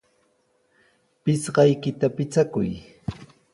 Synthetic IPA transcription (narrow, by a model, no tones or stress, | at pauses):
pɪsɢɑjkɪt̪apɪt͡sakʊ̰j